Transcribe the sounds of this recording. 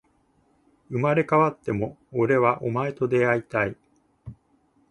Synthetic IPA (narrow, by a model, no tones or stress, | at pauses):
ɯ̟maɾe̞kaβat̪ːe̞mo̞ːɾe̞βaʔo̞mae̞t̪o̞d̪e̞ait̪ai